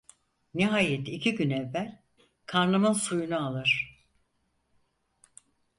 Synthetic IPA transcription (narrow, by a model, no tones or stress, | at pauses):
niɦaːjet̪ʰicʰiɟynɛvːælʲ | kʰaɾnˠɯmɯnsujunualˠɯɾ̥